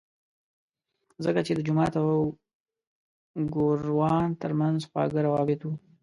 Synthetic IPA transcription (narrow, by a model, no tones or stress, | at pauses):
zəkat͡ʃed̪əd͡ʒʊmɑt̪aww | ɡoɾwɑnt̪əɾmanzxɑ̰ɡəɾawɑbɪt̪wu